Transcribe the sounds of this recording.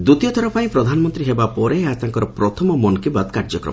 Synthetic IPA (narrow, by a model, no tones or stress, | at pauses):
d̪ut̪ijɔt̪ʰɔɾɔpʰaĩpɾɔd̪ʱanɔmɔnt̪ɾiɦebapɔɾeat̪aŋkɔɾɔpɾɔt̪ʰɔmɔmɔnkibad̪kaɾd͡ʒɔkɾɔ̰m